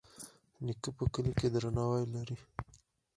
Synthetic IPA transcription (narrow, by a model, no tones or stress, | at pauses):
nikəpəkəleked̪ɾanɑwajlaɾi